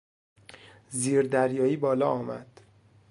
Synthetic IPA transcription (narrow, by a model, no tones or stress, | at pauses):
ziːɾd̪æɾjɒːiːbɒːlɒːɒːmæ̰d̪̥